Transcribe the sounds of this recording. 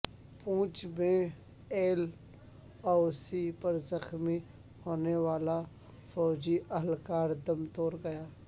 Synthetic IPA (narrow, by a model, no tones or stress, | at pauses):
pũːt͡ʃmẽ | eːl | ɔːsipəɾzəxmi | hoːneʋaːla | fɔːd͡ʒiʔəɦəlkaːɾd̪əmt̪oːɾɡɐjaː